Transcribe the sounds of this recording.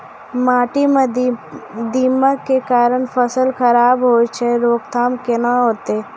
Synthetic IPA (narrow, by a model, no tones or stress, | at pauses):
maːʈim | d̪iːməkːekaːɾəɳpʰəsəlxəɾaːbɦoːt͡ʃʰeɾoːkt̪ʰaːmkenaɦoːt̪e